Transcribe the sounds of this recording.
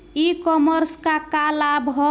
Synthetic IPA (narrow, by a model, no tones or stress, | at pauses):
ikɔməɾskakalabɦɔ